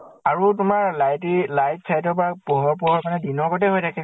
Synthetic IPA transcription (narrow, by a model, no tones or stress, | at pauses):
aɹutʊmaɹlajtilajt̚sʰajtɔbapɔɦɔɹpɔɦɔɹkanɛdinɔɹkɔtɛɦɔjdakʰɛ